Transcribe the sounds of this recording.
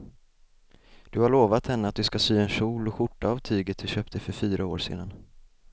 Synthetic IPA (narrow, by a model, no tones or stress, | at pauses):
d̪̥ɵhaɭoːvat̪hɛnːəat̪̚d̪ɵskasyːɛnʂuːlɔɧʊʈːaːvt̪ʰyːɡət̪̚d̪ɵɕøːp̚t̪əfœɾfyːɾʔaoːɾʂḛːd̪an